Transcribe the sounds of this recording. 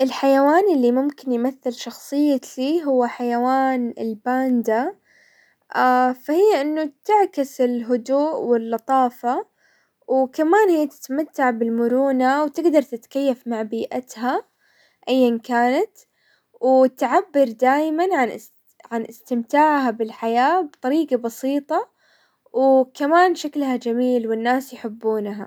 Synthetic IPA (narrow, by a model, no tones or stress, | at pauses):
ʔɪlħajawaːnɪlːimʊmkɪnjmaθːɪlʃɑxsˤɨjːaliːɦʊwːaħajawaːnɪlbaːnd̪a | afahɪjːaʔɪnːʊt̪ɪʕkɪsɪlɦʊd̪uːʔwɪlːɑt̪ˤɑːfɑ | wkamaːnhɪjːat̪ɪ̥t̪mat̪ːaʕbɪlmʊɾuːnawt̪ɪɡd̪ɑɾˤt̪ɪt̪kajːafmaʕbiːʔa̰t̪ɦa | ʔajːankaːnat̪ | wɪt̪ʕabːɪɾd̪aːjmanʕan | ʕanʔɪst̪ɪmt̪aːʕhabɪlħajaːbt̪ˤɑɾiːɡabɑsiːt̪ˤɑ | wkamaːnʃaklhad͡ʒamiːlwɪnːaːsjħɪbːuːnɦa̰